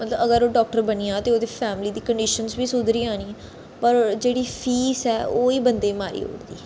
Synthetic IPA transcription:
mət̪ləbəɡəɾoːɖɔːk̚ʈəɾbəniːãːt̪eːoːd̪eːpʰɛːmliːd̪iːkəɳɖiːʃənsbiːsʊd̪ɾiːãːniː | pəɾd͡ʒeːɽiːpʰiːsɛːoːiːbənd̪eːmaːɾḭːɦo̰ːɽd̪ḭː

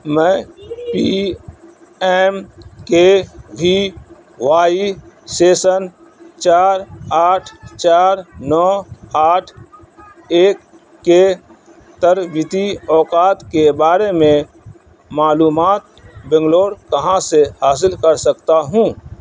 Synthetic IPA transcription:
mɛ̃pi | ɛːmkebʱi | waːiseːsən | t͡ʃaːɾaːʈʰt͡ʃaːɾnɔːaːʈʰ | eːkː | e | t̪əɾwɪt̪iɔːkaːt̪kebaːɾemẽ | maːluːmaːt̪̚bɛ̃ŋɡloːɽkɐɦãsehaːs̬ɪlkəɾsəkt̪aɦũː

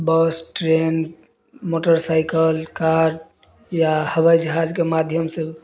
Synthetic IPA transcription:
bəsʈɾen | moʈəɾsaɪkəlkaɾɖ | jahəβajd͡ʒəɦad͡ʒkemad̪ʱjəmsẽ

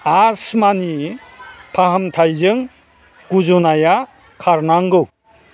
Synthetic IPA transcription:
asmani | pʰaɦamtʰajzɯŋ | ɡ̥uzunaja | kʰaɾnaŋɡɯw

